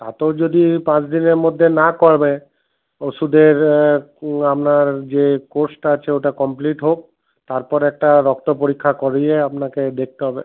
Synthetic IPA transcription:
t̪a̰t̪ed͡ʒod̪ipãt͡ʃd̪ineɾmod̪ʱːenakɔɾbe | osud̪eɾ | apnaɾd͡ʒekoɾsʈaat͡ʃʰeoʈakɔmpliʈɦok̚ | t̪aɾpɔɾɛk̚ʈaɾɔk̚t̪ɔpoɾikʰːakɔɾieapnaked̪ek̚ʰt̪eɦɔbḛ

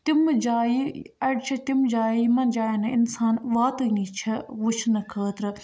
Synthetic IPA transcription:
t̪imd͡ʒaːiɐɽt͡ʃʰɐt̪imd͡ʒaːimɐnd͡ʒaːjinɐɪnsaːnʋaːt̪ənit͡ʃʰɐʋut͡ʃʰnɐkʰəːt̪ɾɨ

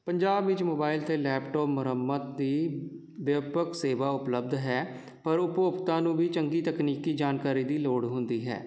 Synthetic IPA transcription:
pəɲd͡ʒaːbʋɪt͡ʃmoːbaːɪlt̪eːlɛːpʈɔːpmʊɾəmːət̪̚d̪iː | bəpəkseːʋaːʊpləb̚d̪ɦɛː | pəɾʊpoːpt̪ãːnũːbiːt͡ʃəŋɡiːt̪əkniːkiːd͡ʒaːnkaːɾiːd̪iːloːɽɦʊnd̪iːɦɛ̰ː

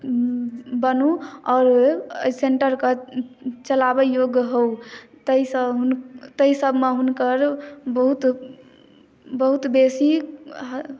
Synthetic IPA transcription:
bənuɔːɾseɳʈəɾke | t͡ʃəlabejoɡɦout̪əisəɦunt̪əisəbʱmeɦunkəɾbəɦut̪ | bəɦut̪besi

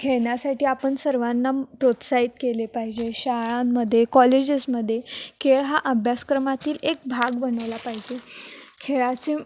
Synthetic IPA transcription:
kʰeɭɳjasaʈʰiːapəɳsəɾʋanːapɾot̪sait̪kelepaɦid͡ʑeɕaɭãːəd̪ʱːjekɔled͡ʑisməd̪ʱːjekʰeɭɦaʔəbʱjaskɾəmat̪iːlek̚bʱaɡbənəʋlapaɦid͡ʑekʰeɭat͡se

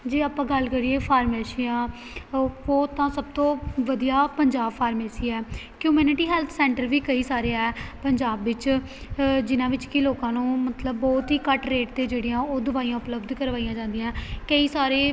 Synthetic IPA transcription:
d͡ʒeːaːpãːɡəlkəɾiːeːfʰaːɾmeːsiãː | oːt̪ãːsəb̚t̪õːʋəd̪ijaːpəɲd͡ʒaːbfʰaːɾmeːsiːɛː | kjuːmuːnɪʈiːɦɛːlt̪ʰsɛ̃ːɳʈəɾʋiːkəiːsaːɾeɛːpəɲd͡ʒaːbʋɪt͡ʃ | d͡ʒɪnãːʋɪt͡ʃkɪloːkãːnũːmət̪ləbːɔːt̪ɦiːkəʈɾeːʈt̪eːd͡ʒeːɽijãːoːd̪ʊʋaːijãːʊpləbd̪kəɾʋaːijãːd͡ʒãːnd̪ijãːkəiːsaːɾeː

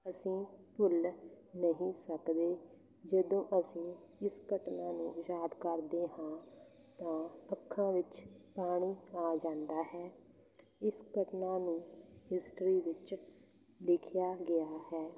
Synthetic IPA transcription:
əsĩːpʊl | nəɦĩːsəkd̪eː | d͡ʒəd̪õːʔəsĩːɪskəʈnaːnũːjaːd̪kəɾd̪eːɦãː | t̪ãːəkʰːãːʋɪt͡ʃpaːɽ̃iːaːd͡ʒãːnd̪aːɦɛː | ɪskəʈnaːnũːɦɪsʈɾiːʋɪt͡ʃ | lɪkʰjaːɡɪaːhɛː

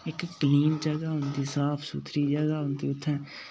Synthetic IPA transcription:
ɪkkəliːmd͡ʒəɡaːɦʊnd̪iːsaːpʰsʊt̪ʰɾiːd͡ʒəɡaːɦʊ̃nd̪iːʊt̪ʰːɛ̃ː

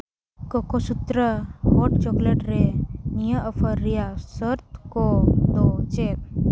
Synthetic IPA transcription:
kokosut̪ɾəɦoʈ̚t͡ʃɔkleʈɾenijəʔəpʰəɾːijasəɾt̪kod̪ot͡ʃeɾ

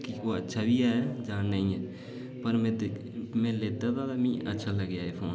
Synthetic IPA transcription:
kioːətːʃʰaːbʱiaːad͡ʒãːnaĩɛː | pəɾmẽ | mẽːleːt̪at̪aːd̪amĩːʔətːʃʰaləɡjaːepʰoːn

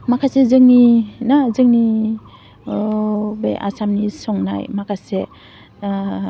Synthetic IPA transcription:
makʰasezɯŋninazɯŋni | bḛjʔa̰samnisɔŋna̰jmakʰase

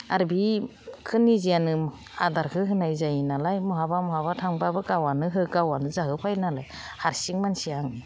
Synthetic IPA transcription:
aɾbikʰɯnːizijanɯ | adaɾkʰɯɦɯnajzajinalajmɔɦabamɔɦabatʰaŋbabɯkawanɯɦɯkawanɯzaɦɯpʰajnalaj | haɾsiŋmansiaŋni

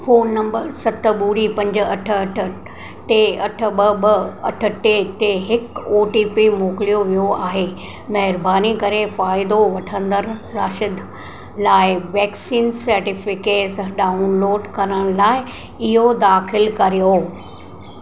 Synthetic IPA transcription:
foːnːɐ̃mbəɾsɐt̪ə̆ɓuːɾipɐ̃ɲd͡ʑɐʈʰːʈʰ | ʈeɐʈʰə̆ɓɐɓɐɐʈʰə̆ʈet̪eɦɪkoːʈiːpimoːkɪlijoʋijoaːɦeː | mɐɦɪɾbaːnikɐɾefaːɪd̪oʋɐʈʰə̃nd̪əɾɾaːʃɪd̪ | laːɪʋɛːksiːnsɐɾʈɪfɪkeːʈsɖaːunloːɖkɐɾəɽ̃laːɪ | ɪɦod̪aːxɪlkɐɾijo

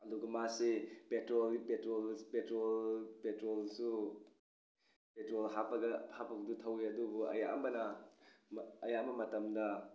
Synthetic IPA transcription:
ɐduɡɐmasipetɾolɡipetɾolpetɾolpetɾolsu | petɾolɦapɐɡɐhapʰɐɡɐdutʰɐwiɐdubuɐ̰jaʔɐmbɐnɐmɐjaɐmɐmɐtɐmdɐ

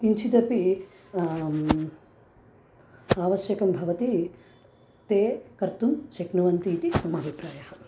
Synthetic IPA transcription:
kint͡ʃʰit̪ɐpi | aːʋɐʃjɐkɐmbʱɐʋɐt̪i | t̪eːkɐɾt̪umʃɐknɐʋɐnt̪iːt̪isɐmaːbʱipɾaːjɐhɐ

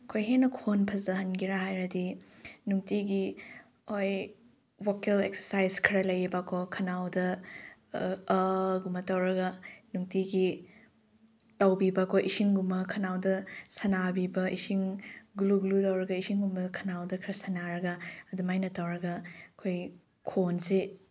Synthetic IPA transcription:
ɐkʰojɦenɐkʰonpʰɐzɐɦɐnɡiɾaɦajɾɐdinuŋtiɡi | oj | wokelek̚sɐɾsajzkʰɾɐlɐjibakʰokʰɐnawdɐ | ɡumɐtɐwɾɐɡɐnuŋtiɡi | tawbibɐkʰoʔisiŋɡumɐkʰɐnawdɐsɐnabibɐʔisiŋɡuluɡulutɐwɾɐɡɐisiŋɡumbɐkʰɐnawdɐkʰɾɐsɐnaɾɐɡɐːdumajnɐtɐwɾɐɡɐkʰoj | kʰonse

